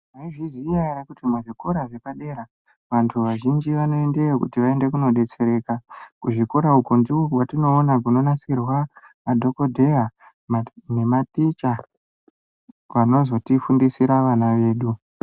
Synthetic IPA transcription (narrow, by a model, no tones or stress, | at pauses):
aiʐizijaiɾakutimuʐiko̞ɾaʐe̞paɗe̞ɾa | ʋantʰuʋaʒind͡ʒiʋano̞endeokṵtiʋae̞nde̞kuno̞ɗe̞t͡se̞ɾe̞ːkakuʐiko̞ɾaukondiwokwatino̞ːnakuno̞nasirwa | ʋadʱo̞ko̞dʱe̞ra | mne̞matit͡ʃa | ʋano̞zo̞tifundisiɾaʋanaʋe̞ːɗu